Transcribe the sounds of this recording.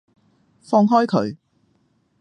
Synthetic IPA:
fɔː˧ŋɦɔː˥jkʰɵ˨˥ɥ

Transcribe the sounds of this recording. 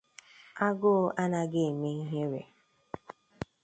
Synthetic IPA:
a˦ɡʊ˦ʔa˦na˦ɡɪ˦e˨me˦i˦ɦe˦ɾḛ˨

